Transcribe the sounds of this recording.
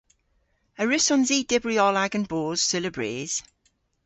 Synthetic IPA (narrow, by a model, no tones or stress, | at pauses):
əɹɪsɔnziːd̥ɪbɹiɔlaɡə̃nboːz̥sɪləbɹeːz̥